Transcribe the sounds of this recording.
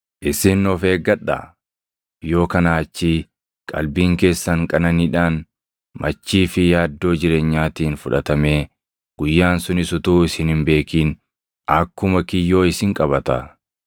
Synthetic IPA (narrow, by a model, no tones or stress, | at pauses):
ʔɪsɪnːɔfe̞ːɡɐɗa̰ | jo̞ːkɐnaːt͡ʃːi | kʼɐ̰lbiːŋke̞ːsːɐŋkʼɐnɐniːᶑaːn | mɐt͡ʃːiːfɪjaːd̪ːo̞ːd͡ʒɪɾe̞ːɲːaːt̪iːnfʊᶑɐt̪ɐme̞ː | ɡ̥ʊjːaːnsʊnɪsʊt̪uːɪsɪnɪmbe̞ːkiːn | ɐkːʊmɐkɪjːo̞ːɪsɪŋkʼɐbɐt̪ɐ